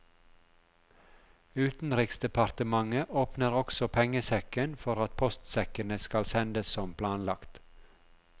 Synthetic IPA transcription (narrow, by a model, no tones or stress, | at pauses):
ʉːt̪n̩ɾɪksd̪ɛpʰɑɾt̪əmɑŋəʔoːpnəɾɔksɔpʰɛŋəsɛkənfɔɾɑt̪̚pʰɔst̪sɛkənəskɑlsɛnd̪əssɔmpʰlɑːnlɑkt̪